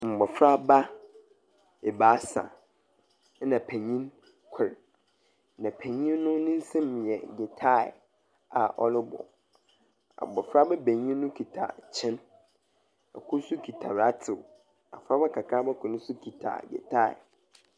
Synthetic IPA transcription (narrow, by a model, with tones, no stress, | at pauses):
m̩˨bɔ˨fɾa˦ba˦ | e˨baː˨˦sã̰˨˦ | nã˨pʰæ̃˨ɲĩ˦n | kʷʰɛ˨ɾ | nã˨pʰæ̃˨ɲĩ˦nnʊ̃˦nɪ̃˦n̩˦sɛ̃˦m˨jɛ˨ɡɛ˨tʰa̰˦˨ | a˨ʔɔ̰˦lɪ˦bɔ̰˨ | a̰˨bɔ˨fɾa˦bɛ˦bẽ˨ɲĩ˦nʊ̃˦kʰi˨tʰa̰˨t͡ɕʰɪ̃˦n | a̰˨kʰʊ˦su˦kʰi˨tʰa˨ɾa˦tʰɪ˨ | a̰˨fɾa˦ba˦kʰa˨kʰa˦bɛ˦kʰʊ˨nʊ̃˦su˦kʰi˨tʰa̰˨ɡɛ̰˨tʰa˦˨ɪ̰˨